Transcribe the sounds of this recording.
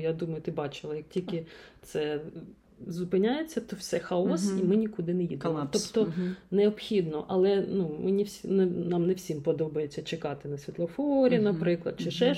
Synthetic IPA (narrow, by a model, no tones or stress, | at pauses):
jad̪umɐjʊt̪ɪbɑt͡ʃɪlˠɐjɐk̚tʲilʲkɪt̪sɛ | zʊpɪnʲajet͡sʲːɐt̪ɔwsɛxaɔsimɪnʲikud̪ɪnɛjid̪emɔt̪ɔpt̪ɔnɛɔpxʲid̪nɔʔɐlˠɛnumɪnʲiwsʲinɛnɑmnɛwsʲimpɔd̪ɔbɐjet͡sʲːɐt͡ʃekɑt̪ɪnɐsʲʋʲit̪lˠɔfɔɾʲinɐpɾɪklˠɐd̪̥̚t͡ʃɪʃɛ